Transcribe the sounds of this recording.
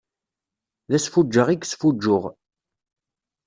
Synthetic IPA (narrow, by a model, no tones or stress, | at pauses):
ðæsfud͡ʒːəʁiɡsfud͡ʒːʊʁ